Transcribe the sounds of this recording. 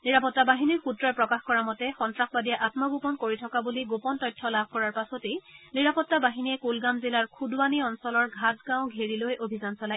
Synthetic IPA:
niɹapɔtːabaɦiniɹxutɹɔjpɹɔkaxkɔɹamɔtɛxɔntɹaxbadijaʔatmaɡupɔnkoɹitʰɔkabuliɡopɔntɔjtʰːɔlabʱkɔɹaɹpasɔteniɹapɔtːabaɦiniɛkulɡamzilaɹkʰudwaniɔnsɔlɔɹɡʱat̚ɡãʊ̃ɡʱeɹilojʔobʱizansɔlaj

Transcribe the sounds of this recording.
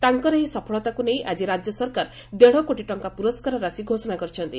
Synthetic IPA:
t̪aŋkɔɾeɦisɔpʰɔɭɔt̪akunejʔad͡ʒiɾad͡ʒjɔsɔɾkaɾ | d̪eɽ̤ɔkoʈiʈɔŋkapuɾɔskaɾɔɾasiɡʱosɔnakɔɾit͡ʃʰɔnt̪i

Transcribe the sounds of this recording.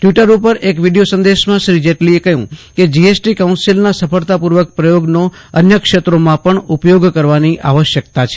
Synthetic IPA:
ʈjiʈəɾupəɾʔekʋiɖijosə̃nd̪eʃmãʃɾid͡ʒeʈliekəɦṵ̃ked͡ʒiesʈikaunsilnasəfəɭt̪apuɾʋək̚pɾəjoɡnoənjəkʃet̪ɾomãpəɳupjoɡkəɾʋaniʔaʋəʃjəkt̪at͡ʃʰe̥

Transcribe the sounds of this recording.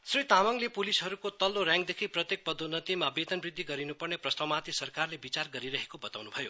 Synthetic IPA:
srit̪amʌŋlepulisɦʌɾukot̪ʌlːorjãŋɡd̪ekʰiprʌt̪jek̚pʌd̪unʌt̪imabet̪ʌnbrid̪ʱːiɡʌɾinupʌrneprʌst̪awmat̪isʌrkarlebit͡sarɡʌɾiɾʌɦekobʌt̪awnubʱʌjo

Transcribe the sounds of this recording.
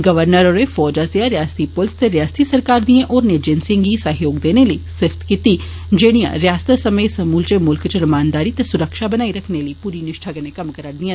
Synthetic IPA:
ɡəʋəɾnəɾoːɾefɔːd͡ʒaseaɾejaːst̪ipʊlst̪eɾɪjaːst̪isəɾkaːɾd̪iẽʔɔːɾneːd͡ʒensɪ̃ŋɡisəɦjoːɡd̪eːneləisɪfʰt̪kiːt̪i | d͡ʒeːɽ̃ijã̰ɾjaːst̪əsəməsəmuːlt͡ʃemʊlkt͡ʃəɾɐmaːnd̪aːɾit̪esʊɾəkʃabənaːiɾəkʰneləiːpuːɾinɪʃʈʰaːɡənekɐmkəɾəɽd̪iãː

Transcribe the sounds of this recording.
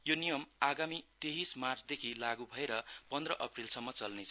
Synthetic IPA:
jonijʌmaɡamit̪eɦismart͡sd̪ekʰilaɡubʱʌeɾʌpʌnd̪rʌʔʌprilsʌmːʌt͡sʌlnet͡sʰʌ

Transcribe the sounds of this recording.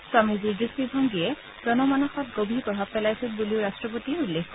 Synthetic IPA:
swamiziɡisibʱɔŋɡiɛ | zɔnɔmanaxɔt̚ɡobʱipɹɔbʱab̚pɛlajsinbuliʊɹastɹɔp̬otiulːexk

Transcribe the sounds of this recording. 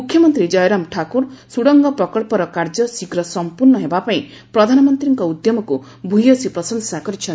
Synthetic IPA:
mukʰjɔmɔnt̪ɾid͡ʒɔjɾamʈʰakuɾsuɽɔŋɡɔpɾɔkɔɭpɔɾɔkaɾd͡ʒɔsiɡɾɔsɔmpuɾɳɔɦebapaĩ | pɾɔd̪ʱanɔmɔnt̪ɾiŋkɔud̪jɔmɔku | bʱuɦiɔsipɾɔsɔnsakɔɾit͡ʃʰɔ

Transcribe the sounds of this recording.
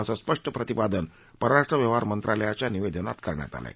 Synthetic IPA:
əsaspəʂʈəpɾət̪ipad̪ən | pəɾɾaʂʈɾəʋjəʋ̤aɾmənt̪ɾaləjat͡ɕjaniʋed̪əna̰t̪kəɾɳja̰t̪a̰la̰j

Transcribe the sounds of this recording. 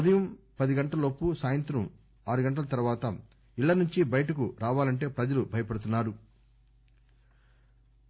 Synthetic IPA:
ɐd̪ɐjɐm | pɐd̪iɡɐɳʈɐlɐopːusaːjɐnt̪ɾɐm | aːɾuɡɐɳʈɐlɐt̪ɐɾuʋaːt̪ɐ | iɭːɐnuɲt͡ʃibɐjɐʈɐkuɾaːʋaːlɐɳʈe̞ːpɾɐd͡ʒɐlubʱɐjɐpɐɽut̪̬unːaːɾu

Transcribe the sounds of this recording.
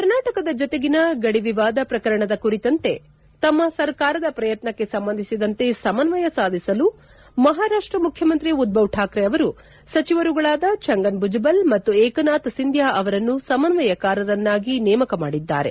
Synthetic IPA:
kɐɾnaːʈɐkɐd̪ɐd͡ʒɔt̪e̞ɡinɐɡɐɽiʋiʋaːd̪ɐpɾɐkɐɾɐɳɐd̪ɐkuɾit̪ɐnt̪e̞ | t̪ɐmːɐsɐɾkaːɾɐd̪ɐpɾɐjɐt̪nɐkːe̞sɐmbɐnd̪isid̪ɐnt̪e̞sɐmɐnʋɐjɐsaːd̪ʱisɐlu | mɐɦaːɾaːʂʈɾɐmukʰjɐmɐnt̪ɾiud̪̚bɐʋʈʰaːkɾeɐʋɐɾu | sɐt͡ʃiʋɐɾuɡɐɭaːd̪ɐt͡ʃɐŋɡɐnbud͡ʒɐbɐlmɐt̪ːuɛːkɐnaːt̪ɐsind̪ʱjaːʔɐʋɐɾɐnːusɐmɐnʋɐjɐkaːɾɐɾɐnːaːɡinɛːmɐkɐma̰ːɽid̪ːa̰ːɾe̞

